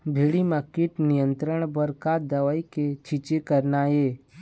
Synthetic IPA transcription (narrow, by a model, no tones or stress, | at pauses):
bʱeːɽimãkiʈnijənt̪ɾəɳ̃bəɾkad̪əʋaiket͡ʃʰit͡ʃekəɾnaje